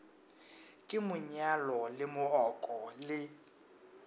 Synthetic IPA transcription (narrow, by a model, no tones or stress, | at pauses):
kʼɪmʊɲalɔlɪmʊrɔkʼɔlɪ